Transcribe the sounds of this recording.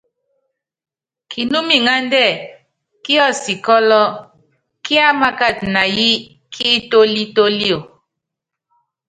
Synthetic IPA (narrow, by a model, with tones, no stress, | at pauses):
kʰi˨nu˦mi˨ŋa˦ndɛ˦˨ | ki˦ɔ˦˨si˨kɔ˦lɔ˦ | ki˦a˦ma˦ka˦˨t̚na˨ji˦ | kʰi˦to˦li˦to˦li˦o˨